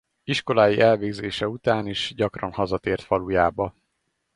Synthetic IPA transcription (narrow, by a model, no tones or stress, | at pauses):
iʃko̞laːjiʔɛlveːɡzeːʃɛut̪aːniʃɟɒkrɒnhɒzɒt̪eːrt̪fɒlujaːbɒ